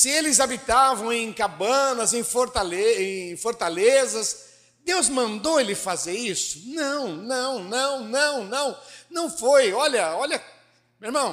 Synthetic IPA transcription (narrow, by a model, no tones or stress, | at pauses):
sɪelɪzabit̪avɐ̃w̃ẽj̃kabɐ̃nɐzẽj̃foɾt̪aleẽj̃foɾt̪alezɐs | d̪ewzmɐ̃nd̪oelɪfazeɾisʊ̥nɐ̃w̃nɐ̃w̃nɐ̃w̃nɐ̃w̃nɐ̃w̃nɐ̃w̃fojɔʎɐɔʎɐ | meɾmɐ̃w̃